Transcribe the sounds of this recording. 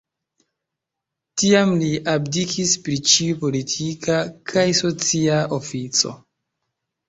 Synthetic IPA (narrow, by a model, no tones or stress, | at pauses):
tiamliʔabdikʰispɾit͡ʃiupo̞litʰikakʰajso̞t͡siao̞fit͡so̞̰